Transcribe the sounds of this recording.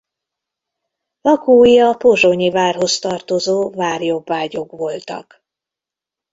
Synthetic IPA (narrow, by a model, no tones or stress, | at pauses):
lɒkuːjjɒpoʒoɲivaːrɦo̞st̪ɒrt̪ozoːvaːrjo̞bːaːɟo̞kʋo̞lt̪ɒ̰k